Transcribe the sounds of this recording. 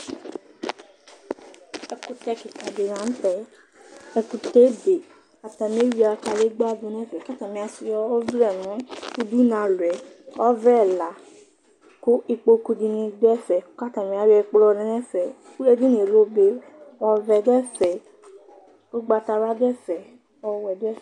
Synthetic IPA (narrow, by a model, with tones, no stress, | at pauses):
ɛ˧ku˧tɛ˧ki˨ta˨be˨ɾã˨˦n̩˦tɛ˨ | ɛ˧ku˧te˨˦be˨ | a˨ta˨mĩ˨˦e˦wi˦a˧ka˧le˦ɡ͡ba˦˨du˨˧nɛ̃˦˨fɛ˨ka˦ta˨mĩ˧˦a˧si˧jɔ˧˦vɾɛ˦˨nɔ̃˨˦u˧du˦nã˨˧˦lu˨ɛ˨˦ɔ˦vɾɛ˦˨la˨ | ko˦ʔi˧k͡po˧ku˧di˧nĩ˧dɛ˦˨fɛ˨˦ka˦ta˨mĩ˧˦a˧˦ɾɛ˧k͡plɔ˧nɛ̃˧˦nɛ̃˦fɛ˨˦u˦ɾe˧di˦nĩ˨e˨lo˦be˧ | ɔ˧vɛ˧dɛ˦fɛ˨ | o˦ɡ͡ba˧ta˧ɾa˦dɛ˦˨fɛ˨ | ɔ˧wɛ˨dɛ˦fɛ˨